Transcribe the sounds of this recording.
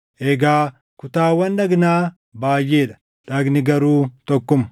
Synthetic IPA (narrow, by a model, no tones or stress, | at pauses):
ʔɛɡaː | kʊt̪aːwɐnᶑɐɡnaː | baːjːeːᶑɐ̥ | ᶑɐɡnɪɡɐɾuːt̪ɔkːʊm